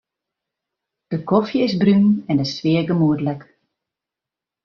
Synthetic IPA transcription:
d̥əkɔfjəɪsbrynɛndəsʋɪəɡəmuədlɛk

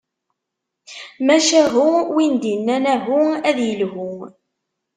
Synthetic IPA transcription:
mæʃæɦʊwind̪inːænæɦuæðjəlɦʊ

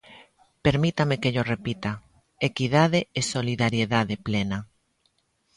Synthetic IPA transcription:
peɾmit̪amekeʎorepit̪a | ekiðaðeesoliðaɾjeðaðeplena

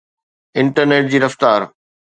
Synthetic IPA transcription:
ɪ̃ɳʈəɾneːʈ̚d͡ʑiːɾɐft̪aːɾ

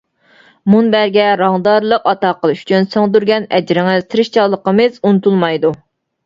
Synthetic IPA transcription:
munbæɾɡʲɛɾɑŋd̪ɑɾlˠəqɑt̪ɑqəlˠʃy̥t͡ʃʰynsəŋd̪yɾɡʲɛnɛd͡ʒɾɪŋɨt̪ʰɾɪʃt͡ʃʰɑlˠːəqəmɨzunɨt̪ulˠmɑjd̪u

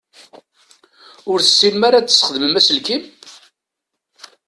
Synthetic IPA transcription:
ʊɾθə̥sːimːaɾat͡sːə̥sχəðməmæsəlkim

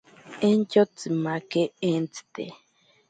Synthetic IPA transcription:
ẽnt͡ʃot͡sɨmakeẽnt͡si̥t̪ḛ

